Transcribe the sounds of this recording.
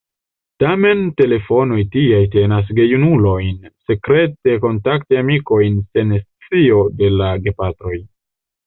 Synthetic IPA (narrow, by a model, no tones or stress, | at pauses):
tame̞nte̞le̞fo̞nojtiajte̞nas̬ɡe̞junulo̞jnse̞kɾe̞te̞ko̞ntaktiamiko̞jnse̞nst͡sio̞de̞laɡe̞patɾo̞j